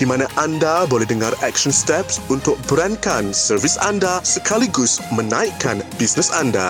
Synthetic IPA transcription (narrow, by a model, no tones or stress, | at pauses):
d̥imãnãʔandabolɛɦdəŋarɛkʃənst̪ɛpsunt̪ʊk̚bəɾankansərvisa̰ndasəkʰaliɡʊsmənãiʔkːanbisnəsanda̰